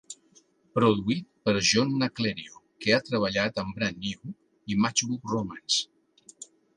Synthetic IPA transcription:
pɾuðuit̪̚pəɾʒɔnːəkleɾiokeat̪ɾəβ̞əʎat̪əmbɾanːiw | imat͡ʃβukrumans

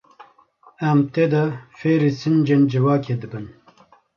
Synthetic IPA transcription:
ɛmt̪eːd̪ɛfeːɾisɨnd͡ʒend͡ʒɨvɑːkʰeːd̪ɨbɨn

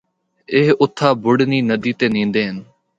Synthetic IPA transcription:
eɦʊt̪ʰaːbʊɽniːnəd̪iːt̪eːnĩːnd̪eːɦɪn

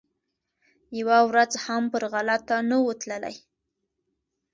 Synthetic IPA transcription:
jawawɾad͡zhampəɾɣalat̪ːanəwət̪ləla̰j

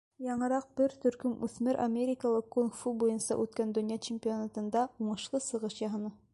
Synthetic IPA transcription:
jɑɴɤ̆ɾɑq̚b̥ɘɾt̪ɵ̆ɾkɵmʉθmɘɾʔa̰mʲeɾʲɪkalˠɤkːonfubujɤnsɑ̰ʔʉt̪kænd̪ɵ̆njɑt͡ɕemʲpʲionat̪ɤ̆nd̪ɑuɴɤ̆ʃlˠɤsɤ̆ʁɤʃjɑɦɤ̆nɤ

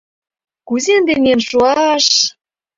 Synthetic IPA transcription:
kuzend̪enʲenʃuɑʃ

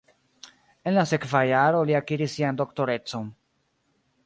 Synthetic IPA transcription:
e̞nlase̞kvajaɾo̞liakiɾisːiando̞kto̞ɾe̞t͡so̞n

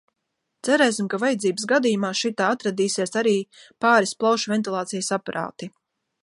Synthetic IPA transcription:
t̪sæɾɛjsimkavajad̪ziːbəsɡad̪iːjumaːʃit̪aːat̪ɾad̪iːsiɛsaɾiːpaːɾisplˠawʃvɛnt̪ilˠaːt̪sijsapaɾʔa̰ːt̪i

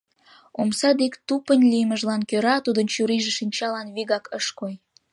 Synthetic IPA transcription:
omsɑd̪ekt̪upənʲlʲijməʒlɑnkøɾɑt̪ud̪ənt͡ɕuɾiʒeʃinʲt͡ɕɑlɑnβiɣɑkəʃkoj

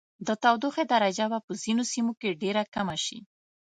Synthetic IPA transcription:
d̪ət̪awd̪uxed̪aɾad͡ʒabapəzinosimokeɖeɾakamaʃḭ

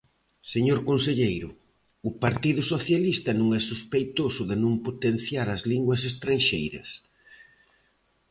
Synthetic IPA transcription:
seɲoɾkonseʎejɾʊ | ʊpaɾt̪iðʊsoθjalist̪ɐnũŋɛsuspejt̪osʊðɪnũmpot̪en̟θjaɾɐzliŋɡwɐs̬est̪ɾanʃejɾɐ̰s

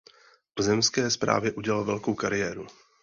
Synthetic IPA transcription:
ozɛmskɛːspɾa̰ːvjɛʔuɟɛlalvɛlkowkaɾɪjɛːɾu

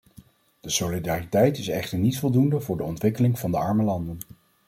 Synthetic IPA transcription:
d̥əsolidaːritɛjtɪsɛχtəɹnitfɔlˠdundəvʊːɹdəɔntʋɪkəlɪŋv̥ɑndəɑɹməlɑndən

